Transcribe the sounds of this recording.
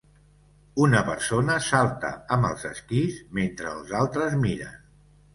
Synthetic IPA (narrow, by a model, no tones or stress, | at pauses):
unəpəɾsonəsalˠt̪ə̰əmbəlˠzəskizment̪ɾəːlˠzalˠt̪ɾəzmiɾə̰